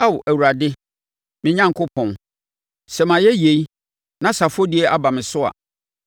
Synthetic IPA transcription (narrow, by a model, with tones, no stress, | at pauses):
a˦wʔæ˨wu˨ɾa˨dɪ˦ | mɪ̃˦ɲã˦ŋ˨kʰʊ˦pʰɔ̃˨n | sɛ˨mã˨jɛ˦je˨i˦ | nã˨sa˨fɔ˦di˦ɛ˦ʔa˦ba˨mɪ̃˨sʊ˦a̰˨